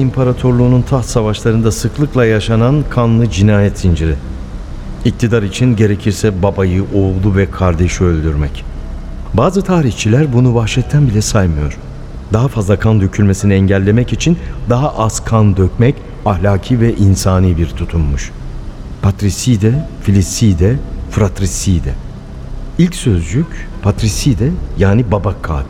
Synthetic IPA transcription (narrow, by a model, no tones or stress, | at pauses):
impʰaɾat̪ʰo̞ɾlˠuːnunt̪ʰaht̪savaʃlˠaɾɯnd̪asɯklˠɯklˠajaʃanankʰanlˠɯd͡ʒinaːjɛt̪sind͡ʒiɾɪ | ic̚t̪ʰid̪aɾit͡ʃʰinɟe̞ɾe̞cʰiɾsɛbabajɯʔoulˠuvɛkʰaɾd̪eʃiølʲd̪yɾmɛc | baːzɯt̪ʰaːɾiçt͡ʃʰilʲæɾbunubaxʃɛt̪t̪ʰːænbilʲɛsajmɯjo̞̰ɾ̥ | d̪aɦafazlˠakʰand̪ø̞cʰylʲme̞siniɛɲɟælʲːe̞mɛcit͡ʃʰind̪aɦaʔaskʰand̪øcmɛc | ahlʲaːcʰiːvɛʔinsaːniːbiɾt̪ʰut̪ʰunmuʃ | pʰat̪ɾisid̪ɛfilʲist̪iːd̪ɛfɾat̪ɾisiːd̪ɛ | ilʲcsø̞zd͡ʒycpʰat̪ɾisid̪ɛjaːnibabakʰa̰ːbi